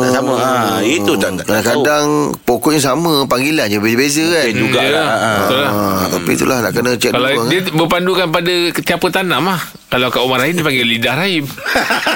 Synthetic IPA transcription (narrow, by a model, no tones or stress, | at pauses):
asaməait̪ut̪akadaŋkadaŋpokɔʔɲas̬amə̃paŋɡiland͡ʒəbezəbezəad͡ʒuɡajat̪ulat̪apḭt̪ṵlahnaʔkənət͡ʃɛtkaladiabəpandukanpadat̪iapət̪anãmah | kalawkaumaɾainipaŋɡɪlidahraim